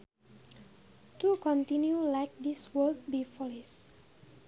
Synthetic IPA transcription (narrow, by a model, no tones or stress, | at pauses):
t̪ukɔ̃nt̪ĩnjulajk̚d̪iswəld̚bifɔlis